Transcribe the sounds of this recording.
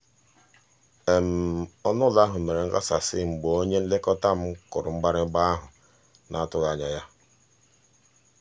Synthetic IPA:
e˨m̩˨ɔ˦nʊ˦la˦ɦʊ˨me˨ɾe˨ŋ̩˦ka̰˦sa˨sɪ˦ŋ͡m̩˨ɡ͡bo˨o˦ɲe˦n̩˦lɪ˦kɔ˦ta˦m̩˦kʊ˨ɾʊ˨ŋ͡m̩˦ɡ͡ba˦ɾɪ˦ɡ͡ba˦a˦ɦʊ˨ | na˨a˦˨tʊ˦ɣa˨ɲa˨ja˦

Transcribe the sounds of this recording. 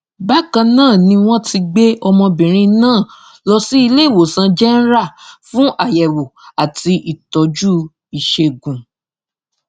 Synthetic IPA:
ba˦kã˧nãː˦˨nĩ˧w̃ɔ̃˦ti˧ɡ͡be˦ɔ˧mɔ̃˧bĩ˨ɾ̃ĩ˧nãː˦˨ | lɔ˧si˦i˧le˦˨wo˨sã˧d͡ʒɛ˦n̩˦ɾa˦˨fũ˦ʔa˦˨jɛ˨wo˨a˨ti˧ʔi˨tɔ˨˦d͡ʒu˦ | i˨ʃe˧ɡũ˨

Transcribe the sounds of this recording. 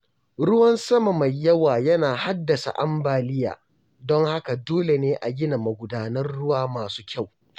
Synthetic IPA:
ɽʊ˦wɐ˦nsɐ˦ma˨ma˨jjːɐ˦waː˨jɐ˦naː˨ha˦dːɐ˨sa̰˨ʔa˦mbaː˨lɪ˦ja̰ː˨ | dɔ˦ŋha˦ka˨doː˦le˨neː˦ʔa̰˨ɡʲɪ˦na˨mɐ˨ɡʷʊ˨daː˨nɐ˦rɽʊ˦waː˦maː˨su̥ː˦kʲa˦˨w

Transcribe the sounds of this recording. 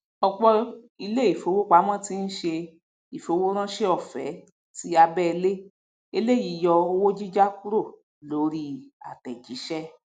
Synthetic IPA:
ɔ˧k͡pɔ˧ | i˧le˦i˦˨fo˨˧˦wo˦k͡pa˨˦mɔ̃˦˨ti˦n̩˦ʃe˧ | i˨fo˧wo˦ɾ̃ã˦ʃe˧ɔ˦˨fɛ̰˨˦ | ti˨˦a˧bɛ˦˨˧le˦ | e˧le˦ji˨jɔ˧o˧wo˦d͡ʒi˦d͡ʒa˦ku˦ɾo˦˨ | lo˨˦ɾi˦a̰˨tɛ˨d͡ʒi˨˦ʃɛ˦

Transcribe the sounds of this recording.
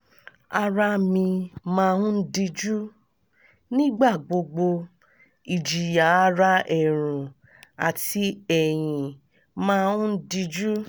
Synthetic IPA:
a˧ɾa˧mĩ˧mãː˦˧ũ˦n̩˦di˧d͡ʒu˦ | nĩ˦ɡ͡ba˦˨ɡ͡bo˧ɡ͡bo˧ | i˨d͡ʒi˨ja˨a˦ɾa˦ɛ˨ɾ̃ũ˨ | a˨ti˧˦ɛ˨j̃ĩ˨ | mãː˦˧ũ˦n̩˦di˧d͡ʒu˦

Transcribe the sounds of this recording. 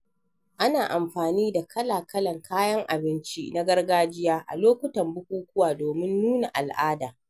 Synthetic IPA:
ʔa˦naː˨ʔa˨mɸaː˨niː˦da˨kʰɐ˦laː˨kʰɐ˦lɐ˨ŋkʰaː˦jɐ˦ŋʔa̰˨bɪ˦nt͡ʃi˦na˦ɡɐ˦rɡaː˦d͡ʒɪ˦jaː˦ʔa̰˨loː˦kʷʊ˦tɐ˨mbʊ˦kʷuː˦kʷʊ˦waː˨doː˨mɪ˦nːuː˦na˨ʔa˨lʔaː˦daː˨

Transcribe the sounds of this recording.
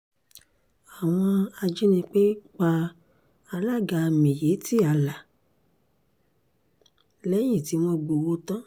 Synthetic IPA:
a˨w̃ɔ̃˧a˧d͡ʒi˦nĩ˧k͡pe˦k͡pa˧ | a˧la˦˨ɡa˧mĩ˨je˨˦ti˦a˨˧la˨ | lɛ˦j̃ĩ˦˨ti˨˦w̃ɔ̃˧ɡ͡bo˨wo˧tã˦

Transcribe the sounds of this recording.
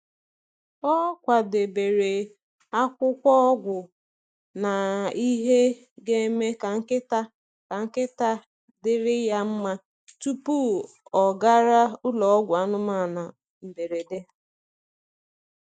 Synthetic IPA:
ɔ˦kʷa˨de˨be˨ɾe˨ | a˦kʷʊ˦kʷɔ˦ɡʷʊ˨ | na˨i˦ɦe˦ | ɡe˦me˦ka˨ŋ̩˦kɪ˦ta˦ | ka˨ŋ̩˦kɪ˦ta˦ | dɪ˦ɾɪ˦ja˦m̩˦ma˦ | tu˦pu˦ | ɔ˨ɡa˦ɾa˦ʊ˦lɔ˨ɔ˦ɡʷʊ˨a˦nʊ˦ma˦˨na˨ | m̩˨be˨ɾe˨de˦

